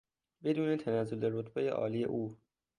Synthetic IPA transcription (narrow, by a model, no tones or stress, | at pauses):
be̞d̪uːnet̪ʰænæzːoleɾot̪bejḛʔɒ̰ːliːjḛʔuː